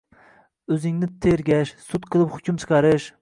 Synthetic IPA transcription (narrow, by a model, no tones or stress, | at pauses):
ɵzɪŋnɪt̪ʰeɾɡʲɛʃsut̪qʰɨlˠɨpχʊkʲumt͡ʃʰɨ̥qʰɑɾɨʃ